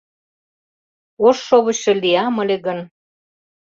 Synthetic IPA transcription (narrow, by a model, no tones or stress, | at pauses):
oʃːoβə̆ɕĕliɑmə̆leɣən